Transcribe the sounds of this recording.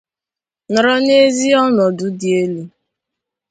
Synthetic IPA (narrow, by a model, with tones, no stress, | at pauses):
nʊ˨ɾɔ˦ne˦zi˦ɔ˦nɔ˨dʊ˨di˨e˦le˦